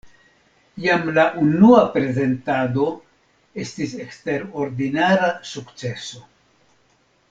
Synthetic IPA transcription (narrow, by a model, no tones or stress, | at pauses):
jamlaʔunuapɾe̞ze̞ntado̞ | e̞stise̞kste̞ɾo̞ɾdinaɾasukt͡se̞so̞